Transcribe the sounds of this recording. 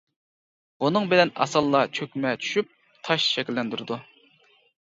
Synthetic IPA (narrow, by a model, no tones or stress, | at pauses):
bunɨŋbɪlɛnɑ̰sɑlˠːɑt͡ʃʰøkʲmɛt͡ʃʰy̥ʃyp̚ | t̪ʰɑʃʃɛkʲilːɛnd̪yɾɨd̪u